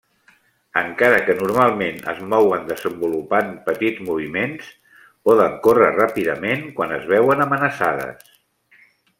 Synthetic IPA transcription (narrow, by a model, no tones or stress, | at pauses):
əŋkaɾəkənuɾmalˠmenə̰zmɔwənd̪əzəmbulupanpət̪id͡zmuβ̞imens | pɔðəŋkorərapiðəmenkwanəzβɛwənəmənəsaðə̰s